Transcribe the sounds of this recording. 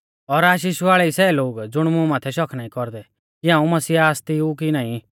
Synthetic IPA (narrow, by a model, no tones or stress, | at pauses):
ɔɾaːʃ̬iːʃaːɭɛisɛːloːɡd͡zʊɽ̃mʊ̃maːt̪ʰɛʃɔkʰnãːĩkɔɾd̪ɛ | kɪãːũmɐsiːaːst̪iuk̬inãːĩ